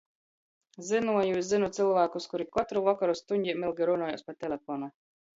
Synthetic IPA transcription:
zinuɔjuːszinut̪silˠvæːkuskuɾikɔt̪ɾuvakaɾust̪uɲʲdʲimilˠɡiɾunɔːjɔ̰spat̪ʲɛlʲɛfɔːna

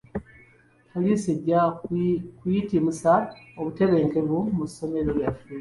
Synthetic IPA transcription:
kaliseɟa | kwitimusaoβute̞βe̞ːŋke̞βumuso̞me̞ɾoljafu

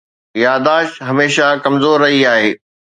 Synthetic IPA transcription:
jaːd̪aːʃɦɐmeːʃakɐmzoːɾːɐɦiaːɦeː

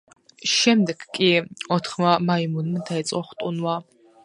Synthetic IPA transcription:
ʃɛmd̪ɛɡkʼiɔt̪ʰχmamaimunmad̪aɛt̪sʼɔχt̪ʼunwa

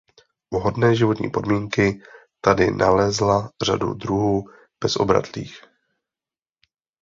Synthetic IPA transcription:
uɦo̞dnɛːʒɪvo̞t̪ɲḭːpo̞dmiːŋkɪ | t̪adɪnʔalɛzlar̝a̰dṵd̪ɾuɦuː | b̥ɛsʔo̞̰bɾa̰t̪lḭːx

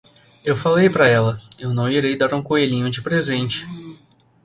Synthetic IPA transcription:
ewfalejpɾɐɛlɐewnɐ̃w̃iɾejd̪aɾũkoeʎĩɲʊd͡ʒɪpɾezẽnt͡ʃɪ̥

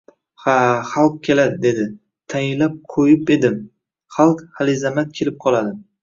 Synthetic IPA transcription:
haχalˠq̚kʲʰe̞lad̪ɪd̪e̞d̪ɪ | t̪ʰajɪlap̚qʰojɪpe̞d̪ɪm | χɑlˠqhalɪzamat̪̚kʲʰe̞lɪp̚qʰɒlˠad̪ɪ

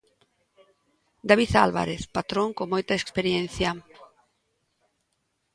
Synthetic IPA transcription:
d̪aβiθalβa̰ɾeθpat̪ɾoŋkomojt̪aekspeɾjen̟θja

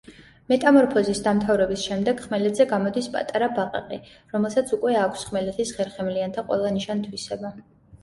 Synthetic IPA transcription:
mɛt̪ʼamɔɾpʰɔzisd̪amt̪ʰavɾɛbisʃɛmd̪ɛɡ̥χmɛlɛt̪zɛɡamɔd̪ispʼa̰t̪ʼaɾabaqʼa̰qʼi | ɾɔmɛlˠsat̪sʰukʼwɛakʷʰsχmɛlɛt̪ʰisχɛɾχɛmliant̪ʰaqʼwɛ̰lˠaniʃant̪ʰwisɛba

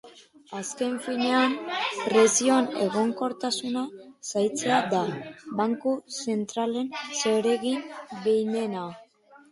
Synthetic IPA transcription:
aske̞ɱfiɲe̞ampɾe̞sio̞ne̞̰ɣo̞ŋko̞ɾt̪asunasajt͡se̞ad̪abaŋkuse̞nt̪ɾale̞nseɾe̞ɣinbejne̞na

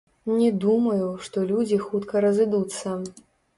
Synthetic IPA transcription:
nʲɛd̪umɐjuʂt̪ɔlʲud͡zʲixut̪kɐɾɐzɨd̪ut̪sːɐ

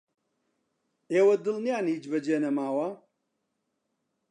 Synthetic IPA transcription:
eːwɐd̪ɨlnijaːniːd͡ʒbɐd͡ʒeːnɐmaːwɐ

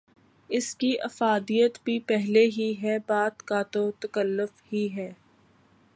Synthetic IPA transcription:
ɪskiʔɐfaːd̪ijət̪bʱipɛɦleɦiɦɛbaːt̪kat̪ot̪ɐkəlːʊfhiɦɛː

